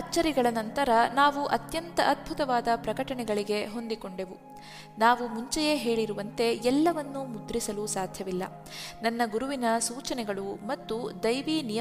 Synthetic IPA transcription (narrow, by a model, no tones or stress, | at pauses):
ɐt͡ʃːɐɾiɡɐɭɐnɐnt̪ɐɾɐnaːʋuʔɐt̪jɐnt̪ɐʔɐt̪̚bʱut̪ɐʋaːd̪ɐpɾɐkɐʈɐɳɛɡɐɭiɡe̞ɦo̞nd̪iko̞ɳɖe̞ʋu | naːʋumuɲt͡ʃɛjeɦe̞ːɭiɾuʋɐnt̪e̞ɛlːɐʋɐnːumud̪ɾisɐlusaːd̪ʱjɐʋilːɐ̰ | nɐnːɐɡuɾuʋinɐsuːt͡ʃɐnɛɡɐɭumɐt̪ːud̪ɐjʋinijɐ